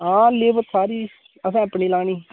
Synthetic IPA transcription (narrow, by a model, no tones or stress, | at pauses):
ãːleːbət̪saːɾiː | əsãːəpɳiːlaːɳiː